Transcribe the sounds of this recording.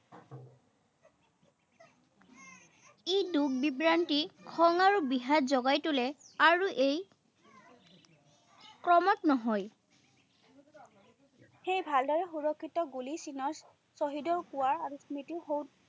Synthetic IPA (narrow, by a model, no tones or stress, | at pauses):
iduɡ̚bipɹantikʰɔŋaɹubiɦazɔɡajtʊlɛ | aɹuʔej | kɹɔmɔtnɔɦɔj | xejbʱaldɔɹɛxuɹɔkʰːitɔɡulisinɔs | soɦidɔɹkuwaɹaɹusmitiɦow